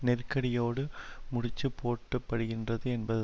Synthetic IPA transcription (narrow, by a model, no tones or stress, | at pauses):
nɛrkːɐɽɪjoːɽɯmʊɽɪt͡ʃːɯpʰːoːʈːɯpːɐɽɯɣɪndrɐðɯɛnbɐðɯ